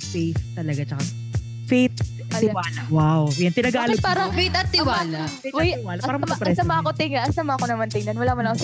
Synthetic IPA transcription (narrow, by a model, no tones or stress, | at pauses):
fɛjst̪ːɐlɐɡat͡ʃɐkɐ | fejt̪̚ | ɐɪwaːlɐwawjɐnt̪ɪnɐɡaːlopaːɾɐŋfejt̪ɐt̪̚ːɪwaːlɐewɐjɪwaːlɐpaːɾɐmmɐpɾɛsɐmaːkot̪ɪŋɐʔɐsɐmaʔɐkonɐmant̪ɪŋnɐnwɐlaːwɐlako